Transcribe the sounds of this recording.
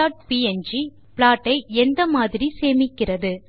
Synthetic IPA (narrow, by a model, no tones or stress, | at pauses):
aːʈ̚piːɛnd͡ʒi | pɭaːʈːɐɪɛnd̪ɐmaːðɪɾiseːmɪkːɪrɐðɯ